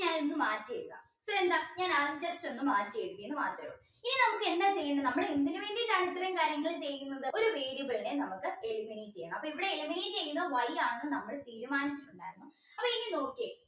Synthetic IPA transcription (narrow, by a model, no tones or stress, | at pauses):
ɲaːnenːɨmaːtːijɐɾuɣa̰ | soːend̪aːɲaːnaːt͡ɕɐste̞nːɨmaːtːijɐɻuɣɐjenːɨmaːt̪rɐʋ | ininɐmukːe̞nd̪aːt͡ɕe̞jːɐɳɖɐnɐmːɐɽeend̪inuʋeːɳdiʈːaɻt̪ːɐɾɐmkaːɾjɐŋːɐɭt͡ɕe̞jːunːɐðɨʔo̞ɾuʋeːɽjubɐɭinenɐmukːɨeɻumːejjit͡ɕːejɐɳɐmɐpːoiʋiɽeeɻumːejit͡ɕe̞jːunːɐʋɐjaːɳenːɨnɐmːɐɽet̪iːɾumaːnit͡ɕːɨ̥ʈːuɳɖaːɾunːu | ɐpːɐiikːino̞ːkie